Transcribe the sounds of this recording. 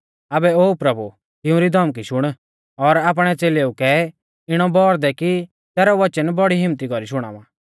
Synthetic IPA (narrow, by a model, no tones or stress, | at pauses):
aːbɛoːpɾɐbu | t̪ɪũɾid̪ʱɐmk̬iʃʊɽ̃ | ɔɾaːp̬ɽ̃ɛt͡seːleːukɛ | ɪɽ̃ɔbɔːɾd̪ɛki | t̪ɛːɾɔʋɐt͡ʃənbɔɽiɦɪ̃mt̪ikɔɾiʃʊɽ̃a̰ːʋã̰ː